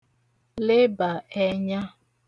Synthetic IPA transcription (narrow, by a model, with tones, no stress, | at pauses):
le˦ba˨ɛ˦ɲa˦